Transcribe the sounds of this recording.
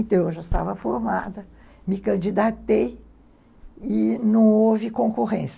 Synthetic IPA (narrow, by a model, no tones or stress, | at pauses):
t̪ɐ̃ewʒast̪a̰vɐfoɾmad̪ɐ | mɪkɐ̃d͡ʒid̪at̪ej | ɪnɐ̃w̃ovɪkõkoʁẽs